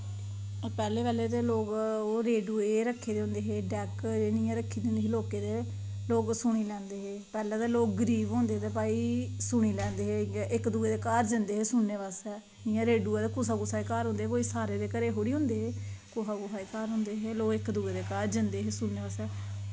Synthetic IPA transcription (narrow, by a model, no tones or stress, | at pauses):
pɛːleːʋɛːleːt̪eːloːɡoːɾeːɖuːeːɾəkʰːeːd̪eːõːnd̪eːɦeːɖɛːkd͡ʒeːnɪjãːɾəkʰːiːd̪eõnd̪eːɦeːloːkeːt̪eː | loːɡsʊɽ̃iːlɛ̃ːnd̪eːɦeːpɛːlɛːt̪eːloːk̚ɡəɾiːʋɦõːnd̪eːt̪eːpaːiːsʊɳ̃iːlɛ̃ːnd̪eːɦeːʔɪkd̪uːeːd̪eːkaːɾd͡ʒənd̪eːɦeːsʊɳneːʋaːsɛː | ɪãːɾeːɖuːɛːt̪eːkʊsaːɡʊsaːikaːɾɦʊ̃nd̪eːkoːiːsaːɾeːd̪eːkəɾeːɦoːɽiːɦʊ̃ːnd̪eːɦeːkoːɦaːkʊɦaːiːkaːɾɦʊ̃ːnd̪eːɦeːloːɡɪkd̪ueːd̪eːkaːɾd͡ʒɪnd̪eːɦeːsʊɽneːʋaːsɛː